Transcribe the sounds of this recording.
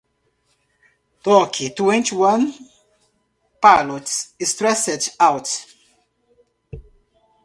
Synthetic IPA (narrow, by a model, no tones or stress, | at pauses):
tɔkʰitwɛ̃ntiwãn | palɔtsistɹɛsɛdawt